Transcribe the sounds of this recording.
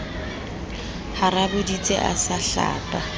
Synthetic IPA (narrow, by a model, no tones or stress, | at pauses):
harabʊdit͡sʼḛʔa̰saɬa̰ːtʼa